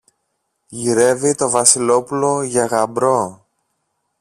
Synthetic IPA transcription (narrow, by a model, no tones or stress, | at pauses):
ʝiɾe̞vit̪o̞vɐsilo̞pulo̞ʝɐɣɐmbɾo̞